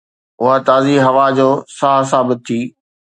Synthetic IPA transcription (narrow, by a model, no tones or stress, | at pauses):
ʊɦat̪aːziɦɐʋad͡ʑoːsaɦs̬aːbɪt̪̚t̪ʰːiː